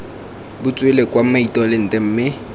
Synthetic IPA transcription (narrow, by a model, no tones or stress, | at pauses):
bʊt͡sʼwelekʼwam̩maitʼɔlɪn̩tʼɛm̩ːmɪ